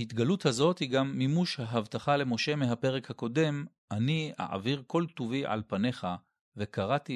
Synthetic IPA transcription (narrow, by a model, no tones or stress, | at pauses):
hit̪ɡaluthazo̞thiɡamːimuʃhaɦavtaχale̞mo̞ʃe̞meɦape̞ʁekhako̞de̞m | ʔania̰ʕa̰viʁko̞lt̪uviʕa̰lpane̞χa | ve̞kaʁati